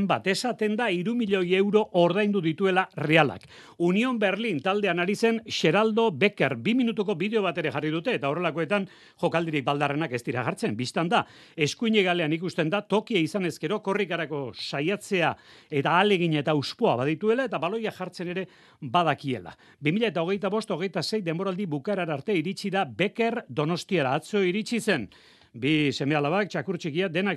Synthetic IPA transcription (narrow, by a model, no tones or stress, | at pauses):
mbat̪e̞sat̪e̞nd̪aiɾumiʎoje̞wɾo̞ʔoɾð̞ajnd̪uðit̪ue̞lareala̰k | unio̞mbe̞ɾlint̪ald̪e̞anaɾise̞nʃe̞ɾald̪o̞be̞ke̞ɾbiminut̪uko̞βiðe̞o̞β̞at̪e̞ɾe̞ʝarið̞ut̪e̞ːt̪ao̞re̞lako̞e̞t̪an | ʝo̞kald̪iɾik̚bald̪are̞nake̞st̪iɾaʝaɾt͡se̞mbist̪and̪a | e̞skuiɲeɣale̞anikust̪e̞nd̪at̪o̞kiaisane̞ske̞ɾo̞ko̞rikaɾako̞sajat͡se̞a | e̞t̪aːle̞ɣ̞iɲae̞t̪auspo̞aβaðit̪ue̞lae̞t̪aβalo̞jaʝaɾt͡se̞ne̞ɾe̞ | bað̞akie̞̰la̰ | bimiʎaet̪ao̞ɣ̞e̞jt̪aβo̞st̪o̞ɣ̞e̞jt̪ase̞jd̪e̞mboɾald̪iβukaeɾaɾaɾt̪e̞iɾit͡ʃiðabe̞ke̞ɾd̪o̞no̞st̪iaɾaːt͡so̞iɾit͡ʃise̞n | bise̞me̞alaβakt͡ʃakuɾt͡ʃikiad̪e̞nak